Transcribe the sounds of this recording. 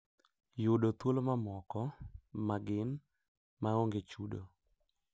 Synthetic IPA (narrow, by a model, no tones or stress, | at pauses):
jʊdot̪wolomamɔkɔmaɡɪn | maoŋɡet͡ʃudo̰